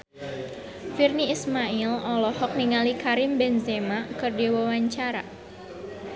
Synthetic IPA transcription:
firniːsmailɔlɔhɔk̚niŋalikaɾɪmbɛnzemakɨrdiwɔwaɲt͡ʃaɾa̰

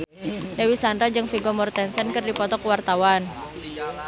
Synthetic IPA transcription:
dawisandɾad͡ʒɨŋfiɡɔmɔrt̪ɛnsənkɨrdipɔt̪ɔkuwart̪awan

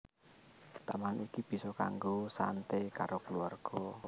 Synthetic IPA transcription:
t̪amanikib̥i̤sɔka̰ŋɡosa̰nt̪ekaɾokəluarɡ̥ɔ

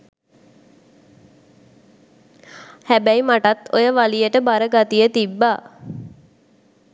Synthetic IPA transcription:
hæbæimaʈat̪ojəʋalijəʈəbaɾəɡat̪ijət̪ibːaː

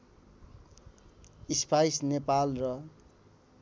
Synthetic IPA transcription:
ispʰajsnepalrʌ

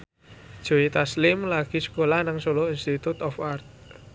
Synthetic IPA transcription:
d̥ʒ̥o̤it̪aslɪmlaɡ̥i̤sə̥kolahnaŋsolɔinst̪it̪ut̪ɔfart̪̚

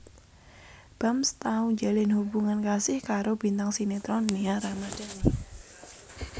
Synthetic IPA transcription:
b̥a̤mst̪auɲd͡ʒalɪnhubuŋankasɪhkaɾob̥int̪aŋsinet̪ɾɔnːeaɾamad̥a̤n

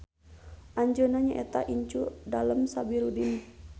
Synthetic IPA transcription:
ʔaɲd͡ʒonaɲaʔɛt̪aʔiɲt͡ʃudaləmsabiɾudin

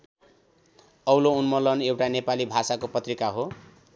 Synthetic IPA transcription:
ʌwlounmʌlʌnewʈanepalibʱasakopʌt̪rikaɦo

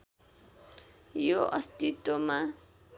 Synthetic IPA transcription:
joʔʌ̰st̪it̪ːoma

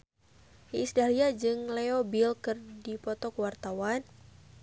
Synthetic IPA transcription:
iːsdaliad͡ʒɨŋlɛobilkɨrdipɔt̪ɔkwart̪awan

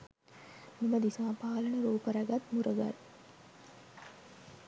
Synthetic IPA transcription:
miməd̪isaːpaːlənəɾuːpəɾæɡat̪muɾəɡa̰ɾ

